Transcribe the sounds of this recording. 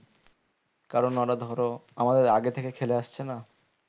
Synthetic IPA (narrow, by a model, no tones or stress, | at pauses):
kaɾonːɔɾad̪ʱɔɾoamad̪eɾaɡet̪ʰekekʰeleaʃt͡ɕʰena